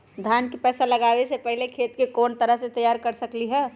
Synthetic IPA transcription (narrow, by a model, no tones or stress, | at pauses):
d̪ʱjaːnkipɛːsalɐɡaːʋesepɛɦilekʰeːt̪kekɔːnt̪əɾəɦset̪ɐjaːɾkɐɾsəkliɦɛː